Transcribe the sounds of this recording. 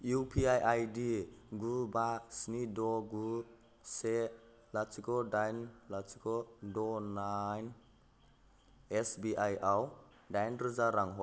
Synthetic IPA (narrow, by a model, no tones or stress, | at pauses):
jupʰiajʔajdiɡubasnidɔɡu | se | lasikɔdajnlasikɔdɔnajn | ɛsbiʔajaw | dajnɾizaɾaŋɦɔj